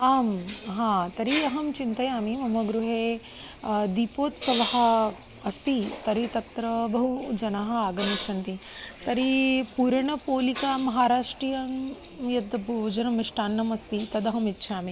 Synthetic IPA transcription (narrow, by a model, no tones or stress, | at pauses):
aːmɦãːt̪ɐɾiɐɦɐmt͡ʃint̪ɐjaːmimɐmɐɡɾuɦeː | d̪ipoːt̪sɐʋɐɦɐ̆ | ɐst̪it̪ɐɾit̪ɐt̪ɾɐbɐɦud͡ʒɐnaɦɐaːɡɐmɐt͡ʃʰɐnt̪it̪ɐɾipuːɾɐɳɐpoːlikaːmɐɦaːɾaːʂʈɾijɐm | jɐd̪ɐboːd͡ʒɐnɐmiʂʈaːnːɐmɐst̪it̪ɐd̪ɐɦɐmitːʃʰaːmi